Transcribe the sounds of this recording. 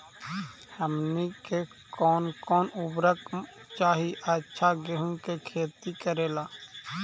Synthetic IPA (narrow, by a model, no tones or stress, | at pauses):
həmnike | kɔːnkɔːnʊbɾəkt͡ʃaːɦiʔətːʃʰaɡeɦũkekʰeːt̪ikəɾeːlaː